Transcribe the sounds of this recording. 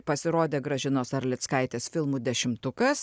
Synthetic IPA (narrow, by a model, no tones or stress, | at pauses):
pɐsʲɪɾoːd̪ʲeːɡɾɐʒʲɪnoːsɐɾʲlʲɪt̪skɐɪt̪ʲeːsfʲɪlˠmuːd̪ʲɛʃʲɪmt̪ʊkɐs